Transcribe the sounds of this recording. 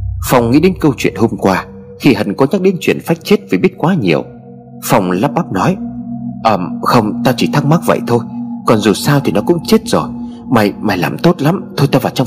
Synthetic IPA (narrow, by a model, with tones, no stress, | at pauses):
fa˨˩wŋ͡mŋːḭ˧˥ɗe˨˦nkə˧wt͡ɕwḭ˧˨ənho˧mkwaː˧ | xi˧ɦə˨˩nkɔ˨˦ɲa˦˥k̚ɗi˨˦ənt͡ɕwḭ˧˨ənfaː˦˥jk̚t͡ɕe˦˥t̚və˨˩ɓi˦˥ət̚kwaː˨˦ɲi˨˩əw | fa˨˩wŋ͡mlaː˦˥p̚ɓa˦˥p̚nɔ˨˦jʔəː˨˩mxə˧wŋ͡mt̪aː˧wt͡ɕi˧˩t̪ʰa˦˥k̚ma˦˥k̚və̰˧˨jt̪ʰo˧jkɔ˨˩nzu˨˩saː˧wt̪ʰi˨˩nɔ˨˦kʊ̰˧˥ŋ͡mt͡ɕe˦˥t̚z̥o˨˩j | ma˨˩jma˨˩jlaː˨˩mt̪o˦˥t̚la˨˦mt̪ʰo˧jt̪aː˧vaː˨˩wt͡ɕŋ͡m